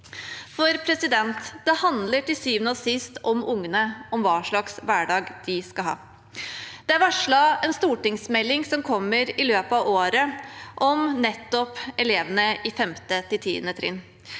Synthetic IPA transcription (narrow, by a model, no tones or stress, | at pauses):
fɔɾpʰɾɛsɪd̪ɛnt̪d̪̥ɛhɑnd̪ləʈɪsyːʋənɔsɪst̪ɔmʊŋːənəɔmʋɑːʂɭɑksʋæːɖɑːɡd̪̥ɪskɑlɦɑ̰ː | d̪ɛæɾʋɑʂɭɑɛnst̪uːʈɪŋsmɛlːɪŋsɔmkʰɔmːəɾɪløːpəɑʋoːɾəʔɔmnɛt̪ːɔpɛleːʋənəɪfɛmt̪ət̪ɪt̪ʰḭːd̪ənət̪ʰɾɪ̰n